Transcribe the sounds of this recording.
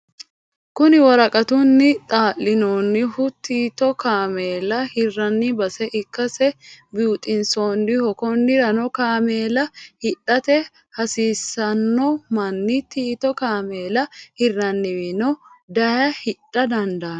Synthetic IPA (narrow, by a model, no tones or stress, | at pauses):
kʊnɪwɐɾɐkʼɐt̪ʊnːɪt̪ʼaːʔːɪnoːnːɪhʊt̪ːiːt̪ɔkaːmeːlɐhɪrːɐnːɪbɐsɛʔɪkːɐsɛbuːt̪ʼɪnsoːndɪhɔkɔnːɪɾɐnɔkaːmeːlɐhɪᶑːɐt̪ɛ | hɐsiːsɐnːɔmɐnːɪt̪iːt̪ɔkaːme̞ːlɐhɪrːɐnːɪwɪnɔd̪ɐjɐhɪᶑːɐd̪ɐnd̪ɐː